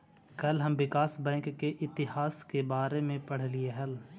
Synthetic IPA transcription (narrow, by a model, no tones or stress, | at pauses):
kɐlɦɐmʋɪkaːsbɛ̃ːŋkːeʔɪt̪ɪɦaːskebaːɾemẽpɐɽ̤lieɦɛl